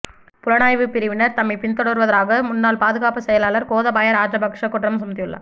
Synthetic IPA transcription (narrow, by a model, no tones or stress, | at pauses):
pʊlɐnaːjʋɯpɪɾɪʋɪnɐɾt̪ɐmːɪpɪnt̪ɔɽɯɾʋɐðɐɾaːɣɐmʊnːaːlpaːðɯɣaːpɐsɛjɐlaːlɐɾkoːðɐbɐjɐɾaːɾɐbɐkʂɐkːʊʈrɐmsʊmɐt̪̬ːɪjɯɭːɐ̰